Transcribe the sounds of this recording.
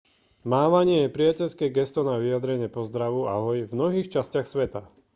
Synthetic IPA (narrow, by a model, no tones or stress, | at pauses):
maːʋaɲɪɛjɛpɾijacɛʎskɛːɡɛst̪ɔnaʋijad̪ɾɛɲɪɛpɔzd̪ɾaʋua̰ɦɔjvmnɔɦiːxt͡ʃascɪaxsʋɛt̪a